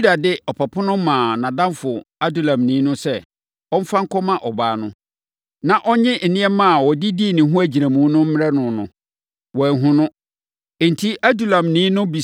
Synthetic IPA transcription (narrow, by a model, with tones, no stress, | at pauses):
u˦da˨dɪ˦ɔ˨pʰa˨pʰʊ˦nʊ̃˦mãː˨nã˨dã˦mfʊ˨a˦du˨lã˨mnĩː˨˦nʊ̃˦sɛ˦ | ɔ˦m̩˦fã˦ŋ̩˦kʰɔ˦mã˦ʔɔ˨baː˨˦nʊ̃˦ | nã˨ʔɔ˦ɲɪ̃˦ʔ̩˨nɪ̃˦ɛ˦mã˦˨wɔ˨dɪ˦di˦˨nɪ̃˨ɦʊ̃˦æ˦d͡ʑi˨ɾæ˨mũ˨˦nʊ̃˦m̩˦m˦ɾɛ˦nʊ̃˨nʊ̰̃˨ | wɔ˨ɦʊ̃˦nʊ̃˦˨ | n̩˨tʰi˦ʔa˦du˨lã˨mnĩː˨˦nʊ̃˦bi˨